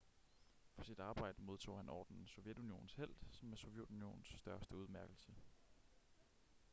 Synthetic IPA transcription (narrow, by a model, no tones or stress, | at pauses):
fɒ̽sid̥ɑ̈ːb̥ɑ̈ɪ̰d̥əmo̝ð̞ˠt͡sʰo̝̰ːhænɒ̰ːd̥nn̩sɔ̽ʊjed̥unio̝̰ːn̩shel̰d̥sɒ̽mːesɔ̽ʋjed̥unio̝̰ːn̩sːd̥ɶɐsd̥əuð̞ˠmæɐɡ̥l̩sə